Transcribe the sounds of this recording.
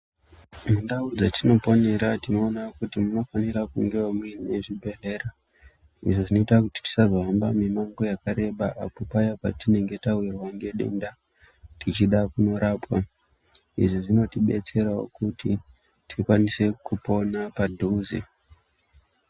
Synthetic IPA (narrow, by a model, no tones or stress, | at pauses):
mundaud͡zatino̞po̞ne̞ɾatino̞ːnakutimuno̞fanirakuŋɡe̞wamwinneʐibʱe̞ɮe̞ːra | ḭʐoʐino̞itakuti̥ti̥sazoɦambamemaŋɡo̞jakaɾe̞ɓaʔa̰po̞pajapa̰tine̞ŋɡe̞tawirwaŋɡe̞ɗe̞̰nda | tit͡ʃiɗakuno̞ɾaːpwa | ḭʐiʐino̞tiɓe̞̰t͡se̞ɾao̰kuti | tʰikwanise̞kupo̞napadʱuzḛ